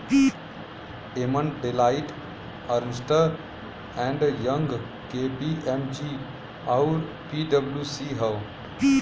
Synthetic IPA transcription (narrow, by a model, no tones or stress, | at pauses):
emənɖelaːɪʈ | əɾnsʈəɾ | ɛ̃ɳɖjə̃ŋɡ | keːpiʔɛmd͡ʒi | aʊɾ | piːɖəbljuːsiɦəʋ